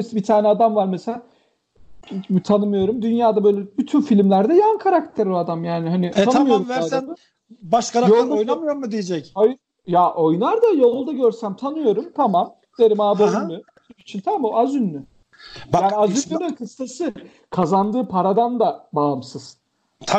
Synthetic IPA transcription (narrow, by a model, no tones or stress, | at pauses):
sbit̪ʰaːnɛad̪amvaɾmesela | t̪ʰanɯmɯjo̞ɾumd̪ynjaːd̪abø̞jlʲɛbyt̪ʰynfilʲimlʲæɾd̪ɛjaɯnkʰaɾakt̪ʰæɾoad̪amjaːnɪɦanɪanmjoɾvæɾan | baʃkaɾajolˠd̪aojnamɯjoɾmɯd̪ijed͡ʒɛcaj | jaʔo̞jnaɾd̪ajo̞lˠd̪aɟøɾsæmt̪ʰanɯjo̞ɾumt̪ʰamam | d̪eɾimaːbaynlyyt̪ʰynit͡ʃʰint̪ʰaamoazynːy | jaaːniazylylɛkʰɯsːasɯ | kʰazand̪ɯːpʰaɾad̪and̪abaːmsɯz̥ | t̪ʰa